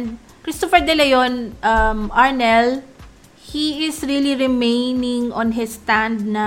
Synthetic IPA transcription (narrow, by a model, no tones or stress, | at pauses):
nd̪̚ | kɾist̪ofɛɹd̪ɛlɛjonʔɐmʔaɹnɛl | hiɪsɹiliɹɪmejnɪŋʔɔ̃nɦɪst̪ãnd̪̚nɐ